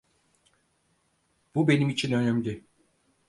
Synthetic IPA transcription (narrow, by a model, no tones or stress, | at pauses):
b̥ube̞nimit͡ʃʰinø̞næmlʲɪ